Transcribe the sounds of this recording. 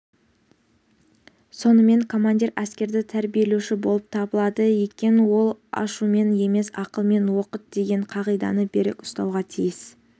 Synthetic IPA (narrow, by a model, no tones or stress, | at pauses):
so̞nəme̞ŋkʰo̞manʲd̪ʲiɾæskʲe̞ɾd̪ɪt̪ʰæɾbije̞lewʃɪbo̞lˠəp̚t̪ʰɑbəlˠɑd̪əjekʲe̞nɪwo̞lˠɑ̰ʃume̞nje̞me̞sɑqəlˠme̞nwo̞qət̪̚d̪̥e̞ɡʲe̞ɴqʰɑʁijd̪ɑ̰nəbe̞ɾɪ̰kʊ̥st̪ɑwʁɑt̪ʰijɪs